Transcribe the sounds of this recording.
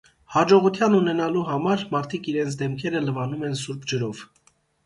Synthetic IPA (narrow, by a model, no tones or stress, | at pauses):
hɑd͡ʒɔʁut̪ʰjɑnunɛnɑluɦɑmɑɾmɑɾt̪ʰikiɾɛnt͡sʰd̪ɛmkʰɛɾələvɑnumɛnsuɾpʰd͡ʒəɾɔv̥